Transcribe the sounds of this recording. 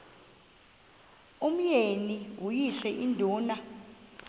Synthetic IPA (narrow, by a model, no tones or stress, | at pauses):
um̩jeniwujiɬɛʔindʱuːna